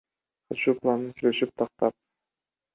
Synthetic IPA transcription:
qʰɑt̪ʃuːplˠɑnɯnsyjlʲe̞ʃyp̚t̪ʰɑq̚t̪ɑp̚

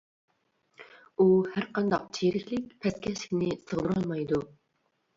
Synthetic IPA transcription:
uhæɾqɑnd̪ɑq̚t͡ʃʰiɾɪkʲlɪkʲpʰɛskʲʰɛʃlɪ̥kʲnɪsʰəʁd̪ɨɾɑlˠmɑjd̪u

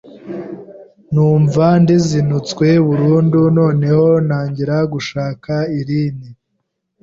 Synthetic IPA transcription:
nuːɱvandizinut͡skwe̞βuɾuːnduno̞ːne̞ho̞naːɲɟiɾaɡuʃaːkaiɾiːni

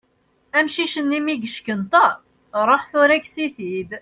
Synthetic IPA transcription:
æmʃiʃənːimiɡəʃkənt̪ˤɑ | ɾˤoħθʊɾæksiθid̪

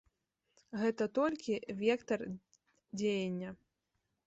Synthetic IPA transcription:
ɣɛt̪ɐt̪ɔlʲkʲivʲɛkt̪ɐr | d͡zʲejɐnʲːɐ

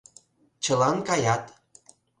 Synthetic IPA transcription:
t͡ɕə̆lɑnkɑjɑt̪

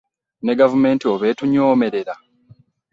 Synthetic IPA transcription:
neɡavume̞ːntioβeːtuɲoːme̞ɾe̞ɾa

